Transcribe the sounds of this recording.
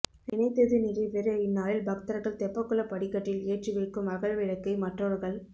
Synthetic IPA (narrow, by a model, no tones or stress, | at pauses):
ɪnɐɪt̪ːɐðɯnɪɾɐʋeɾɐɪnːaːlɪlbɐkt̪ɐɾɐɣɐɭt̪ɛpːɐkːɯlɐpɐɽɪkːɐʈːɪleːʈriʋɐɪkːɯmɐɣɐɭʋɪɻɐkːɐɪmɐʈroːɾɣɐɭ